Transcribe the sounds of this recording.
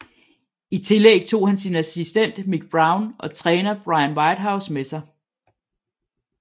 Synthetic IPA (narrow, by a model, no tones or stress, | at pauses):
it͡sʰe̝leɡ̥̚t͡sʰo̝̰ːhænsinæsisd̥en̰d̥miɡ̥̚b̥ʁɑ̈ʊnʔɒ̽t͡sʰʁɛːnɐb̥ʁɑ̈ɪənʋɑ̈ɪd̥ɦäʊsmesɑ̈ɪ